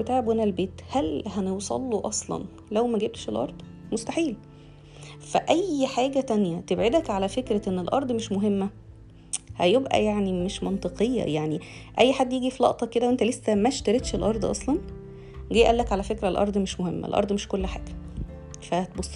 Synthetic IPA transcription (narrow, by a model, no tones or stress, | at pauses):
et̪aʕebwenælbeːt̪hælhænewsˤɑ̰lːuʔɑsˤlɑ̰n | læwmæɡeb̚t̪ʃelʔɑ̰ɾˤd̪̥ˤ | most̪aħiːl | fæʔæjħaːɡæt̪ænjæt̪ebʕed̪ækʕalæfekɾæʔenːelʔɑ̰ɾˤd̪ˤmeʃmoɦemːæ | hæjebʔæ̰jaʕnimeʃmɑnt̪ˤeqejːæ̰jaʕniʔæjːħad̪ːjiːɡifilɑ̰ʔt̪ˤɑkːed̪æwent̪ælesːæmæʃt̪æɾet̪ʃelʔɑɾˤd̪ˤʔɑsˤlɑn | ɡiːʔælːækʕalæfekɾælʔɑ̰ɾˤd̪ˤmeʃmohemːæḛlʔɑ̰ɾˤd̪ˤmeʃkolːħa̰ːɡ̥æ | fæt̪bosˤː